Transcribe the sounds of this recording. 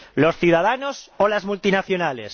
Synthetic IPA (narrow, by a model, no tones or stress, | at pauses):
lo̞sθjuðaðanosolazmult̪inaθjonales